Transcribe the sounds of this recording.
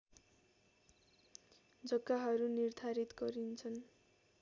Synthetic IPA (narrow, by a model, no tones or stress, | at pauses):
d͡zʌɡːaɦʌɾunird̪ʱaɾit̪ɡʌɾint͡sʰʌn